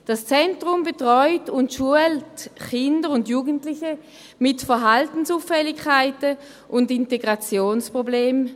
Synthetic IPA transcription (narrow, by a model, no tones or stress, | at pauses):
d̥ast͡sɛntʁʊmbetʁɔʏtʊntʃuəltχɪndəʁʊndjuːɡəntlɪçə | mɪtfəɐɦaltn̩suːfɛlɪkʰːaɪtə | ʔʊndɪnteɡʁat͡sjoːnspʁobleːm